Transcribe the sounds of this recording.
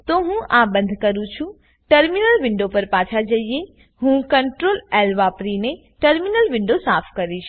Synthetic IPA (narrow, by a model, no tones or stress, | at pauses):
t̪oɦũʔabə̃nd̪ʱkəɾũt͡ʃʰũ | ʈəɾminəlʋɪ̃ɳɖopəɾpaːt͡ʃʰad͡ʒəie | ɦũkəɳʈɾolɛlʋapɾine | ʈəɾminəlʋɪ̃ɳɖosaːpʰkəɾiʃ